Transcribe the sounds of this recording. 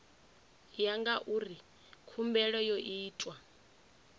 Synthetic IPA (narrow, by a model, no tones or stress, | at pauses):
jaŋɡaʔuːri | kʰumbɛɺɔjɔʔiːtʼwa